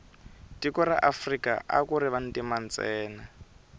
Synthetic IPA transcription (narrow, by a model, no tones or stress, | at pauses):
tikɔɾa̰ʔafrika̰ʔa̰kuɾiβan̩timant͡sɛːna